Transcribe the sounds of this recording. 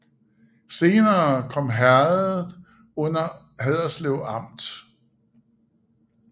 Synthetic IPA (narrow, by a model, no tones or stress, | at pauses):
se̝ːnɐːkʰɒ̽m̰ɦæɐð̩ˠ | ɔ̽n̰ɐ | ɦæðˠɐsleʊɑ̈m̰d̥